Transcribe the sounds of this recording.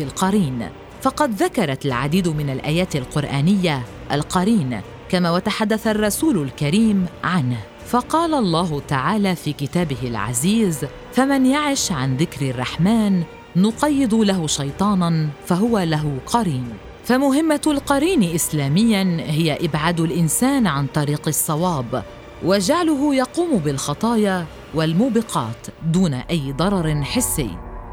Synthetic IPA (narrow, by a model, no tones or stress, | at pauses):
ilqɑɾiːn | fɑqɑd̪ðakɑɾˤɑlʕa̰d̪iːd̪ʊmɪnalʔaːjaːt̪alqʊɾʔaːnɪjːa | ʔalqɑɾiːn | kamaːwat̪aħad̪ːaθarˤːɑsuːlʊlkaɾiːmʕanh | fɑqɑːlalˤːɑːɦʊt̪aʕaːlaːfiːkɪt̪aːbɪhɪlʕa̰ziːz | famanjaʕɪʃʕanðɪkɾɪrˤːɑħmaːnː | ʊqɑjːɪd̪ʊlaɦʊʃɑjt̪ˤɑːnfaɦʊwalaɦʊqɑɾiːn | famʊɦɪmːalqɑɾiːnʔɪslaːmɪjːanɦɪjaʔɪbʕaːd̪ʊlʔɪnsaːnʕant̪ˤɑɾiːqɨsˤːɑwɑːb | wad͡ʒaʕlʊɦʊjɑquːmʊbɪlxɑt̪ˤɑːja | walmuːbɪqʰɑ̰ːt̪d̪uːna̰ʔajːd̪ˤɑɾˤɑɾˤɪnħɪsːɪ̰jː